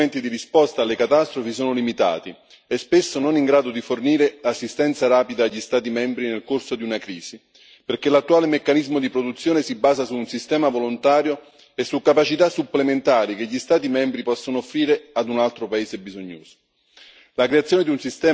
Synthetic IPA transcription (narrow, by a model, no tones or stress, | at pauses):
ent̪id̪iɾispɔst̪aːlːekat̪ast̪ɾofis̬oːnolimit̪a̰ːt̪i | ɛspesːononiŋɡɾaːd̪od̪iforniːɾelasːist̪ɛnt̪saɾaːpid̪aːʎːist̪aːt̪imɛmbɾinelkorsod̪iunakɾiːz̥i | perkelat̪ːuaːlemekːanizmod̪ipɾod̪ut̪sːjoːnesibːaːzasuːnsist̪ɛːmavolont̪aːɾjo | esːukːapat͡ʃit̪asːupːlement̪aːɾik̟eʎːist̪aːt̪imɛmbɾipɔsːonoofːɾiːɾead̪unalt̪ɾopaeːzebizoɲːo̰ːz̥o̥ | lakɾeat̪sjoːned̪iunsist̪ɛː